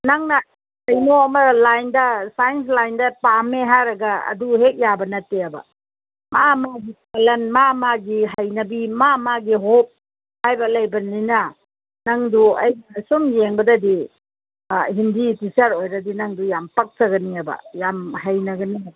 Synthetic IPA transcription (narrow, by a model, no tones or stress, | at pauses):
naŋnɐ | ɐjnoɐmɐlajndɐsajens̬lajndɐpameɦaɾɐɡɐɐ̰duɦek̚jabɐnɐtːeɐbɐ̰ | mamaɡipalɐnmamaɡiɦɐjnɐbimamaɡiɦop̚ | hajbɐlɐjbɐnːinɐ | nɐŋduɐ̰jsumjeŋbɐdɐdi | ɦinditisaɾojɾɐdinɐŋdujampɐk̚tɐɡɐniɐbɐ̰jamhajnɐɡɐniɐb